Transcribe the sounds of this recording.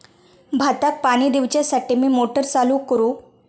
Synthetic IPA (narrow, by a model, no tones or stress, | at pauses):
bʱat̪ak̚paɽ̃iːd̪iʋt͡ɕjasaʈiːmiːmoʈəɾt͡salukəɾu